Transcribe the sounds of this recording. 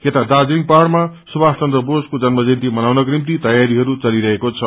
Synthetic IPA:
ket̪ad̪ad͡ziŋpaɽmasubast͡sʌnd̪rʌboskod͡zʌnmʌd͡zint̪imʌnawnʌkrimt̪it̪ʌjaɾiɦʌɾut͡sʌliɾʌɦekot͡sʰʌ

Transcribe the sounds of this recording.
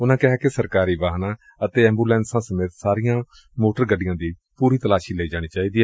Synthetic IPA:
ʊnãːkɪɦɛːkesəɾkaːɾiːʋaːɦnãː | ət̪eːɛ̃ːmbuːlɛ̃ːnsãːsəmeːt̪saːɾɪjãː | moːʈəɾɡəɖɪjãːd̪iː | puːɾiːt̪əlaːʃiːləiːd͡ʒaːɽ̃iːt͡ʃaːiːd̪iːɛː

